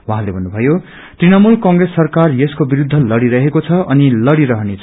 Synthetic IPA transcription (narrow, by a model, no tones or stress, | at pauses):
wuɦãlebʱʌnːubʱʌjo | t̪rinʌmulkʌŋɡresːʌrkarjeskobiɾud̪ʱːʌlʌɽiɾʌɦekot͡sʰʌʔʌnilʌɽiɾʌɦʌnet͡sʰʌ